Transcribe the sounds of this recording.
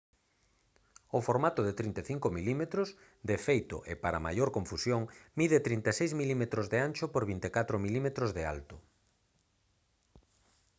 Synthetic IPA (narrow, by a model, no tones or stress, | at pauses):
ʊfoɾmat̪ʊðet̪ɾint̪eθiŋkomilimet̪ɾʊs | d̪efejt̪ʊ̰ʔepaɾɐ̰ma̰joɾkõɱfusjoŋmiðet̪ɾint̪esejzmilimet̪ɾozðeant͡ʃʊpoɾβint̪ekat̪ɾomilimet̪ɾozðea̰lt̪ʊ